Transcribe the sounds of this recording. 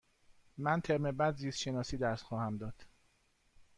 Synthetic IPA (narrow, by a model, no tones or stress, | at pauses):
mænt̪ʰeɾmebæd̪ziːst̪ʃenɒːsiːd̪æɾsxɒːhæmd̪ɒːd̪̥